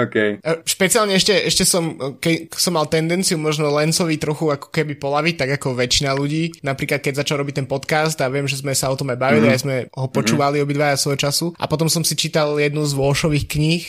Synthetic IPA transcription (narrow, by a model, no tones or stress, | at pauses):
okɛjʃpɛt͡sialɲɛɛʃcɛɛʃcɛsɔmkɛsɔmːalˠt̪ɛnd̪ɛnt͡siumɔʒnɔlɛnsɔʋit̪ɾɔxuakɔ̥kɛbipɔlaʋic̚t̪aɡakɔʋɛt͡ʃinaluɟiːnapɾiːklat̪̚kɛɟzat͡ʃalɾɔbic̚t̪ɛnpɔt̪kast̪aʋɪɛmʒɛzmɛsaɔt̪ɔmajbaʋiliajzmɛɦɔpɔt͡ʃuːʋaliɔbid̪ʋajasʋɔɔt͡ʃasuʔa̰pɔt̪̬ɔmsɔmsit͡ʃit̪aljɛd̪nuzʋɔʃɔʋiːxkɲix